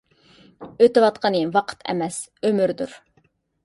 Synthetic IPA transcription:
øt̪ɨwɑt̪qʰənɨvɑqʰə̥t̪ʰɛ̰mɛs | ømyɾd̪uɾ

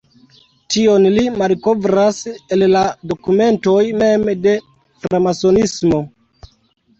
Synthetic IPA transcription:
tio̞nlimalko̞vɾase̞llado̞kume̞nto̞jme̞mde̞ | fɾamaso̞nismo̞

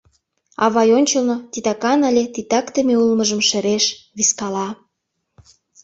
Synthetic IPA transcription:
ɑ̰βɑjonʲt͡ɕəlnot̪it̪ɑkɑnɑlʲet̪it̪ɑkt̪əmeulməʒə̆mʃeɾeʃβiskɑlɑ

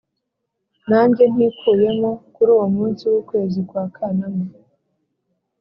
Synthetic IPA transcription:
naːɲɟe̞n̥hikuːje̞mo̞kuɾuːwomuːnsiwukwe̞ːzikwaːkʰaname

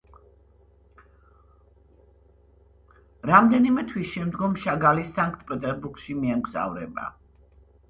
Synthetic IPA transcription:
ɾamd̪ɛnimɛt̪ʰwisʃɛmd̪ɡɔmʃaɡalisaŋkʼt̪̚ʰpʼɛt̪ʼɛɾbuɾɡʃimiɛmɡza̰vɾɛ̰ba̰

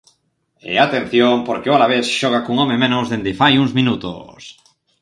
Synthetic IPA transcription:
ḛat̪en̟θjoŋpoɾkɪoalaβesʃɔɣ̞akuŋɔmemẽnʊzðend̪ɪfajuŋzmĩnut̪o̰s

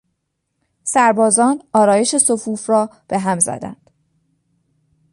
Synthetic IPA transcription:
sæɾbɒːzɒːnɒːɾɒːje̞ʃe̞sofuːfrɒːb̥e̞ɦæmzæ̰d̪æ̰nd̪̥

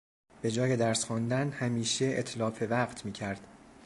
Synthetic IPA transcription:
b̥e̞d͡ʒɒːje̞d̪æɾsxund̪ænhæmiːʃe̞et̪ʰlɒːfe̞væɢt̪ʰmiːcʰæɾd̪̥

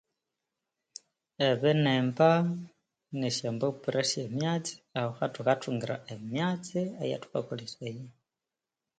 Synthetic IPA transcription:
eβeneːmba | neʃeːmboupuɾʔeʃemjaːt͡si̥ahoxatukatuːŋɡiɾa̰ʔemjaːt͡siaja̰tu̥ka̰kuliseje

